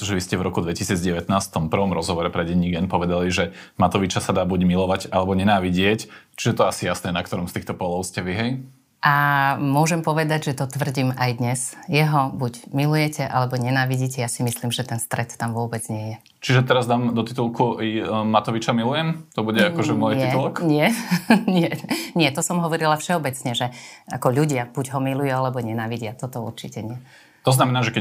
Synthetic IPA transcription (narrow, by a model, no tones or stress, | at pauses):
ɛt̪ɔʒɛʋiscɛvɾɔkud̪ʋɛcisiːd͡zɟɛʋɛt̪naːsft̪ɔmpr̩ʋɔmɾɔzɦɔʋɔɾɛpɾɛɟɛɲiɡɛnpɔʋɛd̪aliʒɛmat̪ɔʋit͡ʃasad̪aːbuɟmilɔʋaɟalɛbɔɲɛnaːʋiɟɪɛct͡ʃiʒɛt̪ɔasijasnɛːnakt̪ɔɾɔmst̪iːxt̪ɔpɔlˠɔʊscɛʋiɦɛj | ʔamʊɔʒɛmpɔʋɛd̪aɟʒɛt̪ɔt̪ʋr̩ɟiːmajd̪ɲɛsjɛɦɔbuɟmilujɛcɛʔa̰lɛbɔɲɛnaːʋiɟiːcɛjasimisliːmʒɛt̪ɛnst̪ɾɛt̪ːamʋʊɔbɛd͡zɲɪɛjɛ | t͡ʃiʒɛt̪ɛɾazd̪aːmd̪ɔt̪it̪ulˠkuimat̪ɔʋit͡ʃamilujɛmt̪ɔbuɟɛaɔʒɛmɔjtɪiɛt̪ulɔkɲɪɛɲɪɛɲɪɛt̪ɔsɔmɦɔʋɔɾilafʃɛɔbɛt͡sɲɛʒɛakɔʎuɟɪab̥uɟɦɔmilujualɛbɔɲɛnaːʋiɟɪat̪ɔt̪ɔṵɾt͡ʃicɛɲɪɛ | t̪ɔznamɛnaːʒɛkɛ